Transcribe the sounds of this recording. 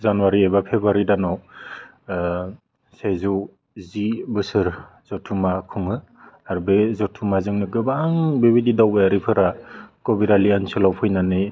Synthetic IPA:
zanwaɾiejbapʰebaɾidanaw | sejzu | zibɯsɯɾ | z̥ɔtʰumakʰuŋɯ | aɾbezɔtʰumazɯŋnɯɡɯbaŋbebididawbeaɾipʰɯɾakɔbiɾaliansɯlawpʰɯjnanɯj

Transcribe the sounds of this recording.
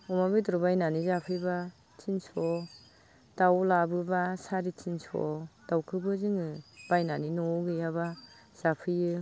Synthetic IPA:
ɔmabitɔɾɔbajnanizapʰɯjba | tʰinsɔ | d̥awlabɯbasaɾitʰinsɔ̰d̥awkʰɯbɯzɯŋɯb̥ajnaninɔɡɯjaba | z̥apʰɯjɯ

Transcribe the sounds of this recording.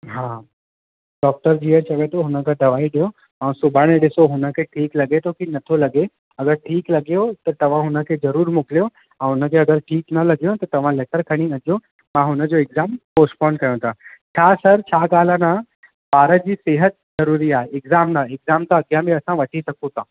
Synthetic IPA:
ɦaː | ɖɔːk̚ʈəɾd͡ʑiːəɾt͡ɕɐʋet̪ʰoɦʊnəkʰãɖ̪ɐʋaːiɗijo | ɛ̃ːsʊbʱaːɽ̃eɗɪsoɦʊnə̆kʰeʈʰiːklɐɡet̪ʰokinɐt̪ʰolɐɡe | ɐɡəɾʈʰiːklɐɡijot̪ɐt̪ɐʋ̤ãɦʊnə̆kʰezɐɾuːɾmʊklijo | ɛ̃ɦʊnəkʰeɐɡəɾʈʰiːknɐlɐɡijõt̪ɐt̪ɐʋ̤ãleːkəɾkʰɐɽ̃iɐd͡ʑjo | mãɦʊnə̆d͡ʑoɪɡzaːmpoːsʈpɔ̃ːɳɖkɐjõt̪ʰat͡ɕʰaːsɐɾt͡ɕʰaːɡaːl̤əna | baːɾəd͡ʑiːseːɦət̪̚zɐɾuːɾiaːɦeɪkzaːmnaːɪkzaːmt̪aɐɡijãmẽɐsãʋɐʈʰisɐkʰõt̪ʰãː

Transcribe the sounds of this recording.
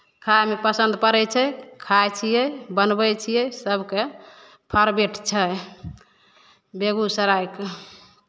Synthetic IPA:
kʰajmepəsənd̪ʱpəɾɛt͡ʃʰɛkʰajt͡ʃʰijɛbənbət͡ʃʰijɛsəbʱke | pʰəɾbeʈt͡ʃʰə | beɡusəɾajke

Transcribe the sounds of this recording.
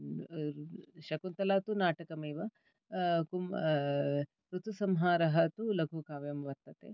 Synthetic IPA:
ʃɐkunt̪ɐlaːt̪unaːʈɐkɐmɐːʋɐ | kum | ɾut̪usɐmɦaːɾɐɦɐt̪ulɐɡʱukaːʋjɐmʋɐt̪ːɐt̪ḛː

